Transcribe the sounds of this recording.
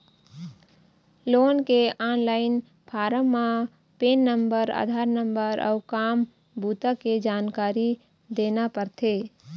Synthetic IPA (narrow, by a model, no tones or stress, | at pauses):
loːnkeaːnlaːɪn | pʰaːɾəmːã | peːnːəmbəɾa̰ːd̪ʱaːɾnəmbəɾʔɔ̰ʊkaːm | bʱuːt̪aked͡ʒaːnkaːɾi | d̪eːnapəɾt̪ʰeː